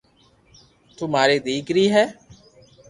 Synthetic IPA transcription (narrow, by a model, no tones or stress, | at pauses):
t̪umaːɾiːd̪iːkɾiːɦɛː